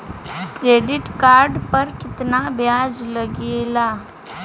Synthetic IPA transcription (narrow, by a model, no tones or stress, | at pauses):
kɾeːɖɪʈkaːɾɖpɐɾkɪt̪nabʱjaːd͡ʒlɐɡeːlaː